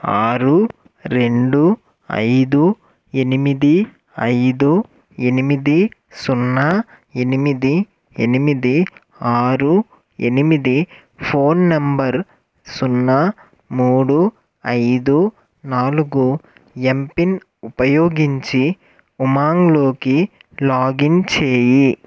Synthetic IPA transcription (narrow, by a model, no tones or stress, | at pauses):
aːɾu | ɾe̞ɳɖu | ɐ̰jd̪u | enimid̪i | ɐjd̪u | enimid̪isunːa | e̞nimid̪i | enimid̪i | aːɾu | ḛnimid̪i | pʰoːnːɐmbɐɾ | sunːa | muːɽu | ɐjd̪u | naːluɡu | empin | upɐjoːɡiɲt͡ʃi | umaːŋlo̞ːki | laːɡint͡ʃeːji